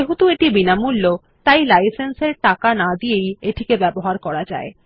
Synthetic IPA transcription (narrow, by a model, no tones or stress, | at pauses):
eɦut̪ueʈibinamulːo | t̪ajlajsenseɾʈakanad̪iejeʈʰikebɛboɦaɾkɔɾad͡ʑa̰e